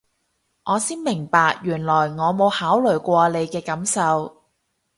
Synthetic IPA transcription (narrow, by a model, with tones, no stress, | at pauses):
ŋʔɔː˨˧siː˥nmɪ˨˩ŋpaː˨k̚jyː˨˩nlɔː˨˩jŋɔː˨˧mo˨˧whaː˨˥wlɵ˨˩jkʷɔː˧le˨˧jkɛː˧kɐ˨˥msɐ˨˧w